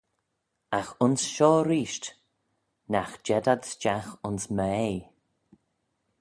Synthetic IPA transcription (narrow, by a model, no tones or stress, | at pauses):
axʊnsʃɔːɾiːʃt | naxd͡ʒɛdadsd͡ʒaxʊnsmɛ